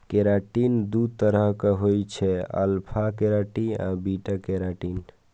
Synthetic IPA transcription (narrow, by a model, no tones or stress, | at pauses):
keɾaʈind̪ud̪̚t̪əɾəɦkeɦojt͡ʃʰɛə̰lpʰakeɾaʈia̰biʈakeɾaʈin